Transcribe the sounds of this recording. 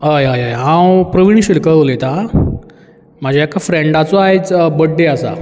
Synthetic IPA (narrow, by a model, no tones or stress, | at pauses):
ɦəjajəjɦãwpɾoʋinɕilkəɭolet̪a | m̤ad͡ʑʱaekafɾeɳɖat͡soaɦet͡sbəɖːeasa̰